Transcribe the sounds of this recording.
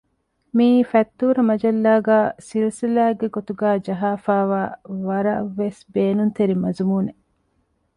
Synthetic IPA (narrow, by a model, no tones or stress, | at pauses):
miːfɐt̪ːuːɾɐmɐd͡ʒɐlːaːɡæːsilsilæːɡeɡot̪uɡæːd͡ʒɐɦaːfaːʋaːʋɐɾɐʋːesbeːnunt̪eɾimɐzumuːne